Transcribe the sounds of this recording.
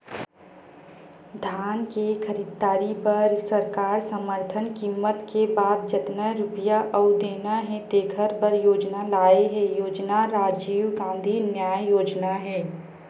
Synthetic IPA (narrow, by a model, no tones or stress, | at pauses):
d̪ʱaːnkekʰəɾiːd̪̚ːaːɾipɐɾsəɾkaːɾsəməɾt̪ʰənkiːmːət̪kebaːd̪̚d͡ʒət̪nəɾʊpjaʔɐʊd̪eːnaɦɛ̃t̪eːɡʰʱəɾbəɾjoːd͡ʒnalaːeɦɛjoːd͡ʒnaɾaːd͡ʒiːwɡãːnd̪ʱinjaːjjoːd͡ʒnaɦɛː